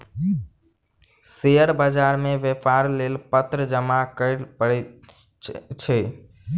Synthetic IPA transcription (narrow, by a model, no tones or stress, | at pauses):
sejəɾbəd͡ʒaɾmeʋepʰaɾlelpət̪ɾəd͡ʒəmakəɪlpəɽ | t͡ʃʰɛ